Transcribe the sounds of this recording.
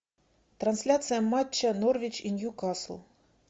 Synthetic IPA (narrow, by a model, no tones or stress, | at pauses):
t̪ɾɐnsʲlʲat̪sɨjɐmːat͡ɕːɐnɔrvʲit͡ɕinʲjukaslˠ